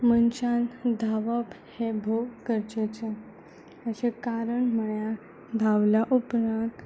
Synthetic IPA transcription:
mənt͡ɕand̪ʱaʋəp | hebʱoʋkəɾt͡ɕet͡ɕe | əɕekaɾəɳməɭja | d̪ʱaʋljaʔupɾãt̪

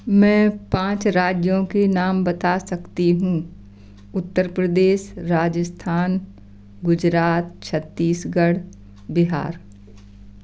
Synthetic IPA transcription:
mɛ̃ːpãːt͡ʃɾaːd͡ʒjõkenaːmbɐt̪asɐkt̪iɦũː | ʊt̪ːəɾpɾəd̪eːʃɾaːd͡ʒəst̪ʰaːn | ɡʊd͡ʒɾaːt̪̚t͡ʃʰət̪ːiːsɡəɽ | bɪɦa̰ːɾ

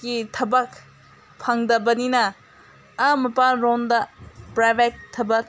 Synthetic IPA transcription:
ɡitʰɐbɐk | pʰɐŋdɐbɐninɐː | mɐpalɾondɐpɾajbek̚tʰɐbɐk̚

